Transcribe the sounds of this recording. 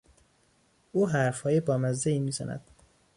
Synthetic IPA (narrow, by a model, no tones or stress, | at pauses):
uːɦæɾfhɒːjebɒːmæzd̪eiːmiːzæ̰næ̰d̪̥